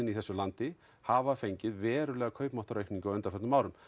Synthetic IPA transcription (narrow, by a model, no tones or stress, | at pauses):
ɪniθɛsʏlant̪ɪ | havafejɲcɪðvɛːɾʏlɛːɣakʰœɥpmɔht̪ɔɾejkpniŋkawœnt̪afœt̪nʏmaːwɾʏm